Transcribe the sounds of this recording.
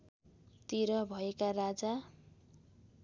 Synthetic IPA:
t̪iɾʌbʱʌekarad͡za

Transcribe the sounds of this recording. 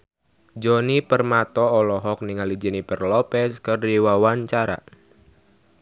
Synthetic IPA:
d͡ʒɔnipərmat̪ɔːlɔɦɔk̚niŋalid͡ʒənipɛrlɔpɛskɨrdiwawaɲt͡ʃaɾa̰

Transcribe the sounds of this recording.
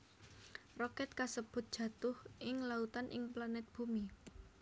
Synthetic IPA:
rɔkɛt̪̚kasəb̥ʊ̤t̪̚d̥ʒ̥ä̤t̪ʊhʔɪŋlaut̪anʔɪŋplanɛt̪̚b̥umi

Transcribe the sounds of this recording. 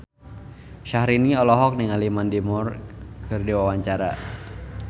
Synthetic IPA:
ʃahɾiniɔlɔɦɔk̚niŋalimandimurkʰɨrdiwawaɲt͡ʃaɾa̰

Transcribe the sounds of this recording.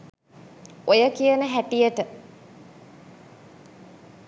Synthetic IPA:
ojəkijənəɦæʈijəʈə

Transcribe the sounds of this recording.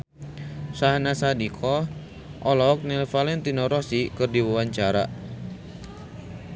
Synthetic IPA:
saɦnasadikʰɔ | ʔɔlɔk̚nɛlfalɛnt̪inɔɾɔsikɨrdiwawaɲt͡ʃaɾa̰

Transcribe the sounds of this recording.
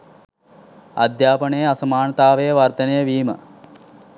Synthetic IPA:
ɐ̰d̪jaːpɐɳeːɐsɐmaːɳɐt̪aːʋeːʋɐɾt̪ɐnejɐʋiːmɐ̰

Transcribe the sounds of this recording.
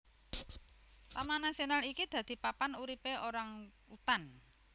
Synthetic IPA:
lamanasionalikid̪̥ä̤d̪̥i̤papanuɾipeʔoɾaŋ | ut̪an

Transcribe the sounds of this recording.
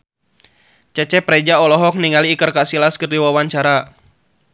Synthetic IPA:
t͡ʃɛt͡ʃɛpɾɛd͡ʒaɔlɔɦɔk̚niŋaliːkərkasilaskərdiwawaɲt͡ʃaɾa

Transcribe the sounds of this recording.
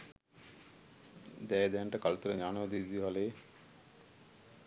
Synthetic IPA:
d̪ɛːd̪ɛɳʈəkalt̪uɾəɲaːnod̪id̪iɦaleː

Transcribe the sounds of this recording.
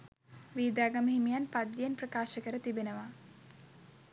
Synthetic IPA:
ʋiːd̪aːɡaməɦimijanpad̪ːijenprəkaːʃəkəɾət̪ibenəʋa

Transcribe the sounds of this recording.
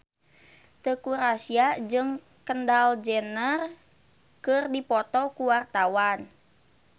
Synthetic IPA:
t̪əkuɾasiad͡ʒɨŋ | kəndald͡ʒənər | kɨrdipɔt̪ɔkuwart̪awan

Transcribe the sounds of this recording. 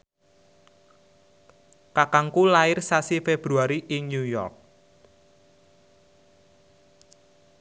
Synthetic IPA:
kakaŋkulaɪrsasifeb̥ɾuaɾiʔɪŋɲjujɔ̰rk̚

